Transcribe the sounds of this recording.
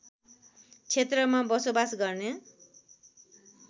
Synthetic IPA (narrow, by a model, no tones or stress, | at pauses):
t͡sʰet̪rʌmabʌsobasɡʌrnʌ